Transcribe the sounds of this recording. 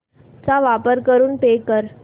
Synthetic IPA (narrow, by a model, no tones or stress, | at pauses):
t͡saʋapəɾkəɾuːnpekəɾ